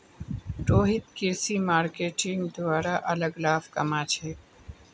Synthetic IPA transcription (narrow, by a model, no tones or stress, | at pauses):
ʈoːɦɪt̪keːsimaːɾkeːʈɪ̃ŋɡd̪waːɾaʔɐləɡlaːfkɐ̰maːt͡ʃʰeː